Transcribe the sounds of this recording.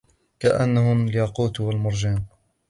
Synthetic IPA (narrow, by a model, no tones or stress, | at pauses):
kaʔanːahʊljaquːt̪walmʊɾˤd͡ʒaːn